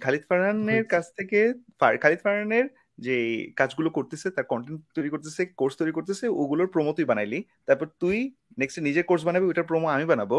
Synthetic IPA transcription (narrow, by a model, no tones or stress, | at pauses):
kʰalit̪fʰaɾaneɾkat͡ɕʰt̪ʰekefa̰ɾkʰalit̪faɾaneɾ | d͡ʑekad͡ʑɡulokoɾt̪esʰet̪aɾkɔɳʈeɳʈt̪ojɾikoɾt̪esʰekoɾst̪ojɾikoɾt̪esʰeo̰ɡuloɾpɾomot̪ujbanajlit̪aɾpɔɾt̪uj | neksʈenid͡ʑeɾkoɾs̬banabeojʈaɾpɾomoamibanabo